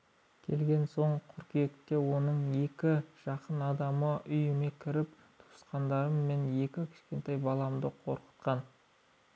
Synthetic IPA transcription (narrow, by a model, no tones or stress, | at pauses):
kʲʰe̞lɡʲe̞nso̞ɴqʰʏɾkʲije̞kt̪e̞wo̞nəɴe̞kʲɪʒ̥ɑqənɑd̪ɑməʔʏjɪme̞kʲʰɪɾɪp̚ | t̪ʰu̥sqɑnd̪ɑɾəmme̞nje̞kʲɪkʲʰɪ̥ʃkʲe̞nt̪ɑjbɑlˠɑmd̪əqʰo̞̰ɾqə̥t̪̚qɑn